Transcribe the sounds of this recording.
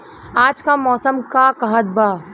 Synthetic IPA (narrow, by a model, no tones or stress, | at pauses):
aːd͡ʒkamɔːsəmkakɐɦəd̪baː